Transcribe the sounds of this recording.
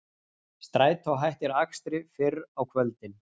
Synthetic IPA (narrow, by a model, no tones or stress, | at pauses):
st̪ɾaːjt̪ʰawɦajht̪ɪɾakst̪ɾɪfɪɾawkʰvœlt̪ɪn